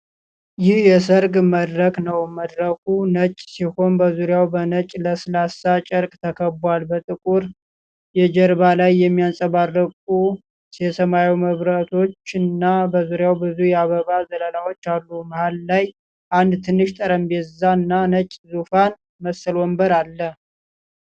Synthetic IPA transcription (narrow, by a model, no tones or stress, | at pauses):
jɪhjɛsəɾɡməd̪ɾəknəwməd̪ɾəkʰunət͡ʃʼːsiho̞nbəzuɾjawbənət͡ʃʼləsɨlasat͡ʃʼəɾkʼt̪ʰəkʰəbwalbət̪ʼɨkʼuɾ | jɛd͡ʒəɾβalajːɛmːijansʼəβarːəkʼu | jɛsəmawiməβɾat̪ʰo̞t͡ʃːɨnːabəzuɾjawbɨzujɛaβəβazələlawo̞t͡ʃːalːuməhallaj | ʔand̪t̪ʰɨnːɨʃt̪ʼəɾəmbezanːanət͡ʃʼzufan | məsəlwɔmbəɾalːə